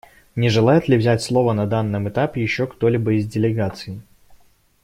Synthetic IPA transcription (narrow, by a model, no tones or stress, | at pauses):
nʲɪʐɨlˠajɪt̪lʲɪvzʲætʲslˠo̞vənɐd̪anːɨmɨt̪apʲɪjɪɕːo̞kt̪o̞lʲibəɪzʲdʲɪlʲɪɡat̪sɨɪ